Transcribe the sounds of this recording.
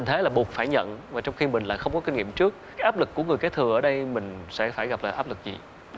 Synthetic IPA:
t̪ʰe˨˦laː˨˩ɓu˨˩ək̚faː˧˩jɲə̰˧˨nvaː˨˩t͡ɕɔ˧wŋ͡mxi˧mï˨˩ŋ̟la̰ː˧˨jxə˧wŋ͡mkɔ˨˦kï˧ŋ̟ŋḭ˧˨mt͡ɕɨ˦˥ək̚aː˨˦jʔaː˦˥p̚lɨ˨˩kːəŋɨ˨˩əjka˨˦jt̪ʰɨ˨˩ʔəː˧˩ɗə˧jmï˨˩ŋ̟sɛ̰˧˥faː˧˩jɣa˨˩p̚laː˧˨˩ʔaː˦˥p̚lɨ˨˩k̚zḭ˨˩

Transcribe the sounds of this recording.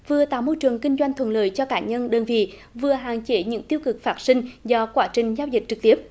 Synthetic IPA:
vɨ˨˩ət̪a̰ː˨wmo˧jt͡ɕɨ˨˩əŋkï˧ŋ̟zwa˧jŋ̟t̪ʰwə̰˧˨nlə̰ː˧˨jt͡ɕɔ˧kaː˧˩ɲə˧nɗəː˨˧nvḭ˧˨ | vɨ˨˩əɦa̰ː˧˨ŋt͡ɕe˧˦ɲɨ̰˧˥ŋt̪i˧əwkɨ˨˩k̚faː˦˥t̚sï˧ŋ̟zɔ˧kwaː˧˥t͡ɕï˨˩ŋ̟zaː˧wzï˨˩k̟̚t͡ɕɨ˨˩k̚t̪i˦˥əp̚

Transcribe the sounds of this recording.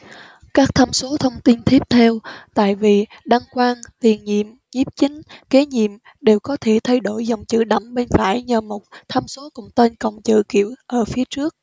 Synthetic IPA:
kaː˦˥k̚t̪ʰa˧mso˨˦t̪ʰə˧wŋ͡mt̪i˧nt̪ʰi˦˥əp̚t̪ʰɛ˧wt̪a̰ː˧˨jvi˨˩ | ɗa˧ŋkwaː˧ŋt̪i˨˩ənɲḭ˧˨əm | zi˦˥p̚t͡ɕï˨˦ŋ̟ke˨˦ɲḭ˧˨əm | ɗe˨˩wkɔ˨˦t̪ʰe˧˩t̪ʰa˧jɗo˧˩jzə˨˩wŋ͡mt͡ɕɨ̰˧˨ɗə̰˧˩ŋ͡mɓe˧nfaː˧˩jɲəː˨˩mo˨˩t̚t̪ʰa˧mso˨˦kʊ̰˧˩ŋ͡mt̪e˧nkə̰˧˨wŋ͡mt͡ɕɨ̰˧˨kḭ˧˨əwʔəː˧˩fi˨˦ət͡ɕɨ˦˥ək̚

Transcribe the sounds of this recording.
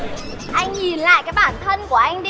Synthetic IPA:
ʔa˧jŋ̟ɲi˨˩nla̰ː˧˨jkaː˨˦˥k̚ɓaː˧˩nt̪ʰə˧nku˧˩əʔa˧jŋ̟ɗi˧

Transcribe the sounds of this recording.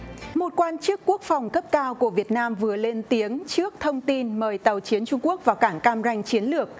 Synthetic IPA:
mo˨˩t̚kwaː˧nt͡ɕɨ˦˥kːu˦˥ək̚fɔ˨˩wŋ͡mkə˦˥p̚kaː˧wku˧˩əvi˨˩ət̚naː˧mvɨ˨˩əle˧nt̪i˨˦əŋt͡ɕɨ˦˥ək̚t̪ʰə˧wŋ͡mt̪i˧nməː˨˩jt̪ə˨˩wt͡ɕi˨˦ənt͡ɕʊ˧ŋ͡mku˦˥ək̚vaː˨˩wkaː˧˩ŋkaː˧mza˧jŋ̟t͡ɕi˨˦ənlɨ˨˩ək̚

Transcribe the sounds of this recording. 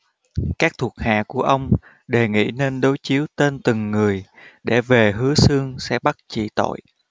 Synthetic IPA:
kaː˦˥k̚t̪ʰu˨˩ət̚ha̰ː˧˨ku˧˩əʔə˧wŋ͡m | ɗe˨˩ŋḭ˧˥˨ne˧nɗo˨˦jt͡ɕi˨˦əwt̪e˧nt̪ɨ˨˩ŋːɨ˨˩əjɗe˧˩ve˨˩ɦɨ˨˦əsɨ˧əŋsɛ̰˧˥ɓa˦˥t̚t͡ɕḭ˧˨t̪o̰˧˨j

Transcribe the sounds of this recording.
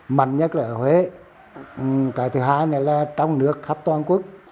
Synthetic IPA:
ma˨˩nɲə˦˥t̚ləː˧˩hwe˨˦˨ | kaː˨˩jt̪ʰɨ˨˩ɦaː˧jna˨˩laː˨˩t͡ɕɔ˧wŋ͡mnɨ˦˥ək̚xaː˦˥p̚t̪waː˧nkwu˦˥ək̚

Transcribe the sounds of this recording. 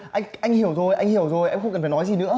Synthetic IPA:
ʔa˧jŋ̟ʔa˧jŋhi˧˩əwzo˨˩jʔa˧jŋ̟hi˧˩əwzo˨˩jʔɛ˧mxə˧wŋ͡mkə˨˩fa˨˩nɔ˨˦jzi˨˩nɨ̰˧˥ə

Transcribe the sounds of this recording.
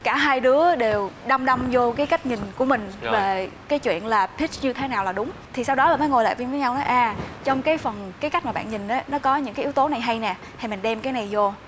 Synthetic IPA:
kaː˧˩ɦaː˧jɗɨ˨˦əɗe˨˩wɗa˧wŋ͡mɗa˧wŋ͡mzo˧kaː˨˦jka˦˥k̟̚ɲï˨˩ŋ̟ku˧˩əmï˨˩ŋ̟ve˨˩ | kaː˨˦t͡ɕwḭ˧˨ənlaː˨˩pʰi˦˥t͡ɕ̚ɲɨ˧t̪ʰe˨˦naː˨˩wlaː˨˩ɗʊ˨˦ŋ͡mt̪ʰi˨˩sa˧wɗɔ˨˦laː˧˨˩mə˨˦ŋo˨˩la̰ː˧˨vi˧nvəː˨˦jɲa˧wnɔ˨˦ʔaː˨˩t͡ɕɔ˧wŋ͡mkaː˨˦jfə˨˩nkaː˨˦jka˦˥k̚ma˨˩ɓa̰ː˧˨nɲï˨˩ŋ̟ʔa˨˦nɔ˨˦kɔ˨˦ɲɨ̰˧˥kaː˨˦ʔi˨˦wt̪o˨˦na˨˩jɦa˧jnɛ˨˩ | ha˧jmi˨˩ŋ̟ɗɛ˧mkaː˨˦jna˨˩jzo˧

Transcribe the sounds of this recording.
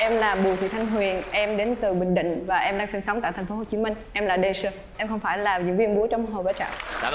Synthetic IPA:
ʔɛ˧mlaː˨˩ɓu˨˩˨t̪ʰḭ˨˧˨t̪ʰa˧jŋ̟ɦwi˨˩ənʔɛ˧mɗe˨˦nt̪ɨ˨˩ɓï˧˨ŋ̟ɗḭ̈˧˨ŋ̟vaː˨˩ʔɛ˧mɗaː˧ŋsi˧ŋsə˨˦wŋ͡mt̪a̰ː˧˨t̪ʰŋ̟fo˨˦ɦo˨˩t͡ɕi˨˦mï˧ŋ̟ʔɛ˧mlaː˨˩ɗe˧sə˧ | ʔɛ˧mxə˧wŋ͡mfaː˧˩jlaː˨˩zɨ̰˧əŋvi˧ənɓu˨˦ət͡ɕɔ˧wŋ͡mɦo˨˩vaː˨˦t͡ɕa̰ː˧˨ʔ

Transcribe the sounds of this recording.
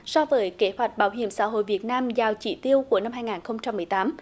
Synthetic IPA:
sɔ˧vəː˨˦jke˨˦hwa˨˩jk̚ɓaː˨˦wɦḭ˧˨əmsa̰ː˧˥ɦo̰˧˨jvi˨˩ət̚naː˧mzaː˨˩wt͡ɕḭ˧˩t̪i˧əwku˧˩əna˧mɦaː˧jŋaː˨˩nxə˧wŋ͡mt͡ɕa˧mːɨ˨˩əjt̪aː˨˦m

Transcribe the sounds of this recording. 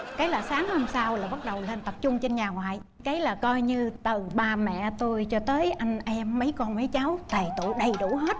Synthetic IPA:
kaː˨˦jlaː˨˩saː˨˦ŋho˧msaː˧wlaː˨˩ɓa˦˥t̚ɗə˨˩wle˧nt̪ə˨˩p̚t͡ɕʊ˧ŋ͡mt͡ɕe˧nɲaː˨˩ŋwa̰ː˧˨j | kaː˨˦jlaː˨˩kɔ˧jɲɨ˧t̪ɨ˨˩ɓaː˧˩mɛ̰˧˨t̪o˧jt͡ɕɔ˧t̪əː˨˦jʔa˧jŋ̟ʔɛ˧mːə˨˦jkɔ˧nmə˨˦jt͡ɕa˨˦wt̪aː˨˩jt̪ṵ˧˨ɗə˨˩jɗṵ˧˥ɦe˦˥t̚

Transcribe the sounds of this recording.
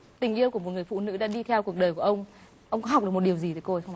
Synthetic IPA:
t̪ï˨˩ŋ̟ʔi˧əwku˧˩əmo˨˩t̚ŋɨ˨˩əjfṵ˧˨nɨ̰˧˥ɗa̰ː˧˥ɗi˧t̪ʰɛ˧wku˨˩ək̚ɗəː˨˩jku˧˩əʔə˧wŋ͡m | ʔə˧wŋ͡mkɔ̰˧˨˦ɦa˨˩k͡p̚ɗkmo˨˩t̚ɗəwzi˨t̪ʰəː˨˩jko˧xə˧w

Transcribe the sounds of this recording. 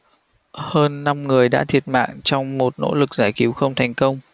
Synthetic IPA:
həː˧nːa˧mŋɨ˨˩əjɗa̰ː˧˥t̪ʰi˨˩ət̚ma̰ː˧˨ŋt͡ɕɔ˧wŋ͡mmo˨˩t̚no̰˧˥lɨ˨˩k̚zaː˧˩jki˨˦wxə˧wŋ͡mt̪ʰa˨˩jŋ̟kə˧wŋ͡m

